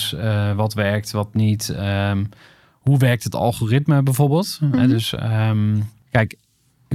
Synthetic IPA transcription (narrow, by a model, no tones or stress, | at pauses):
səʋɔtʋɛɹk̚tʋɔtnitə | huʋɛɹk̚tətɑ̰lˠχorɪtməbɛjvoɹbeːlˠtɦɛ̰døsə̰m | kɛjk